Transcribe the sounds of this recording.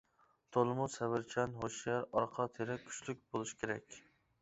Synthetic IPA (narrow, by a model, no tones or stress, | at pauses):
t̪ʰolˠɨmusɛvɪɾt͡ʃʰɛnɦoʃiɛɾɑɾqʰɑt̪ʰeɾɛkʲʰy̥t͡ʃlyk̚ʲbolˠuʃi̥kʲʰeɾɛ̰kʲ